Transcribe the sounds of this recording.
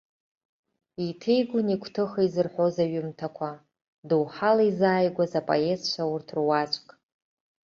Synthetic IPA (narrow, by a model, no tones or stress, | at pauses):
itʰejɡʷʊnikʷʰtʰɨχaizɨrħʷozaɥʊmtʰakʷʰa | duwħalaizaːjɡʷazapʼo̰e̞zt͡ʃʷʰawʊrtʰrwat͡ʃʷʼkʼ